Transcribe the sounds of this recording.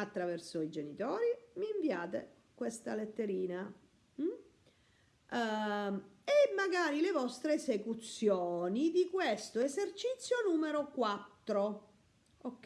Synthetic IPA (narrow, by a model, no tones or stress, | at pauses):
at̪ːɾavɛrsoid͡ʒenit̪ɔːɾimiːɱviaːt̪ḛ | kwest̪alet̪ːeɾiːna | m̩ | emːaɡaːɾilevɔst̪ɾeːsekut̪sjɔːnid̪ikwest̪oezert͡ʃit̪sːjonuːmeɾokwat̪ːɾo | okː